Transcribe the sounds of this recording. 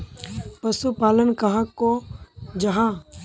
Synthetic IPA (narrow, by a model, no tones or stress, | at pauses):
pəsupaːlənkɐɦãkːod͡ʒɐɦãː